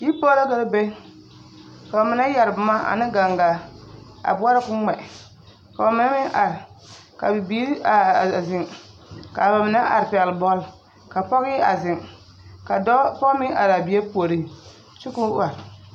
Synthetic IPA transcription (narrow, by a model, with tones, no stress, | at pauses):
ji˦po˦ɾa˦ka˦ɾbe˦ | fɔ˨mɪ˨na˦ja˨ɾbʊ˨ma˦a̰˨nɪ˦ɡa˨ŋɡa˨ | a̰˨bʊ˦a˦ɾa˦kʊ˦ŋ͡mɛ˨ | fɔ˨˦mɪ˨na˦mɪ˦ŋʔa˨ɾ | ka˨bi˨bi˦ɾzɪ˨ŋ | ka˨ba˨mɪ˨na˦ʔa̰˨ɾpɛ˨lbɔ˦l | ka˨pɔ˦ɣi˦a˨zɪ˨ŋ | ka˨˦pɔ˦mɪ˦ŋʔa˨ɾa˨bi˨e˦po˨ɾi˦ | t͡ʃʊ˦ku˦wa˨ɾ